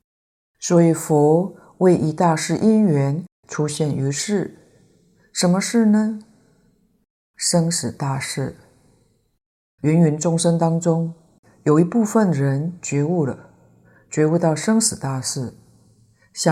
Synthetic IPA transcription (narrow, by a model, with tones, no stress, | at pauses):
swɔ˧˥i˨˩fɔ˧˥ | we˥˩ɪʔi˧˥t̪a˥˧ʂɻ̩˥˩ʔi˥nɥɛ˧˥n | ʈ͡ʂʰu˥ɕjɛ˥˩ny˧˥ʂɻ̩˥˩ | ʂə˧˥nmə˧ʂɻ̩˥˩nə˩ | ʂɤ˥ŋʂɻ̩˨˩t̪a˥˧ʂɻ̩˥˩ | ɥɛ˧˥nɥɛ˧˥nʈ͡ʂʊ˥ŋʂə˥ŋt̪ɑ˥ŋʈ͡ʂʊ˥ŋ | jo˨˩ʊi˧˥pu˥˧fə˥˩nɻə˧˥nt͡ɕɥɛ˧˥u˥˩lə̰˩ | t͡ɕɥɛ˧˥u˥˧t̪ɑ˥˩ʊʂɤ˥ŋʂɻ̩˨˩t̪a˥˧ʂɻ̩˥˩ | ɕɑ˥˧